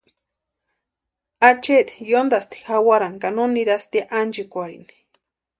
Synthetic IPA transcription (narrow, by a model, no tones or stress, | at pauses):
at͡ʃet̪i̥jond̪ast̪i̥xawaɾaŋkanoniɾast̪iaʔand͡ʒikʷaḭni̥